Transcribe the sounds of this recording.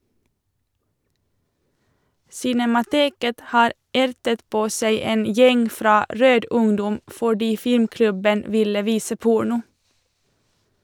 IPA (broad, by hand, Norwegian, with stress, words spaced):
sɪnɛmɑˈteːkət ˈhɑːɾ ˈæɾtət ˈpoː ˈsæɪ ˈeːn ˈjɛŋ ˈfɾɑː ˈɾøːd ˈʊŋdɔm fɔˈɖiː ˈfɪmˌklʉbən ˈʋɪlə ˈʋiːsə ˈpʊɳʊ